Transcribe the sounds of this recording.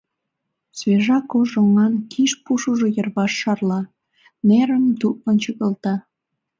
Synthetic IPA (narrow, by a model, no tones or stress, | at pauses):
sveʒɑkoʒoŋɑnkʰiʃpuʃuʒojərβɑʃːɑrlɑ | neɾəmd̪uʔ̚mənt͡ɕəɣəlt̪ɑ